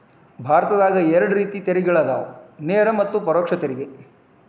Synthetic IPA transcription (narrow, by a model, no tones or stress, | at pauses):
bʱaːɾɐt̪ɐd̪aːɡɐɛɾɐɽuɾiːt̪it̪eɾiɡɐɭɐd̪a̰ːʋneːɾɐmɐt̪ːupɐɾoːkʂɐt̪eɾiɡe